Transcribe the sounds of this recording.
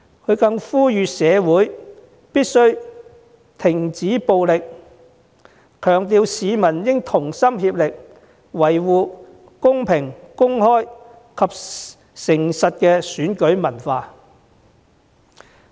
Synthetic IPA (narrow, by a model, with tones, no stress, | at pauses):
kʰɵ˨˧ɥkɐ˧ŋfuː˥jyː˨sɛː˨˧wuː˨˥j | piː˥t̚sɵ˥ɥ | t̪ʰɪ˨˩ŋt͡siː˨˥po˧wlɪ˨k̚ | kʰœː˨˩ŋt̪iː˧wsiː˨˧mɐ˨˩njɪ˥ŋt̪ʰʊ˨˩ŋsɐ˥mhiː˧p̚lɪ˨k̚ | wɐ˨˩jwuː˨˧ | kʊ˥ŋpʰɪ˨˩ŋkʊ˥ŋhɔː˥j | kʰɐ˨p̚ | sɪ˨˩ŋsɐ˨t̚kɛː˧syː˨˥nkɵ˨˥ɥmɐ˨˩nfaː˧